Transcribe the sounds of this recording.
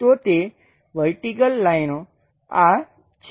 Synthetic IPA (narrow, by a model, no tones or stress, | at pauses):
t̪ot̪e | ʋəɾʈikəlːainõ | a | t͡ʃʰ